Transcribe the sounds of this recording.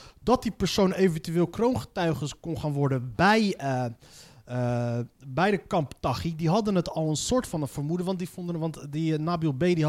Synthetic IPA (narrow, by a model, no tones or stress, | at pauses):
dɑt̚dipəɹsownejvəntyɪːlˠkrownχə̥tœɥχənskɔnχaːnʋɔɹdənbɛj | bɛjdəkɑmptɑχidiɦɑdənətɑlˠənsʊːɹtfɑnəfəɹmudəʋɑntdifɔndəʋɑntdinaːbilˠbejdi